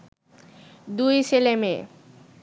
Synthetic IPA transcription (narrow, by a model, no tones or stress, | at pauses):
d̪ujselemḛ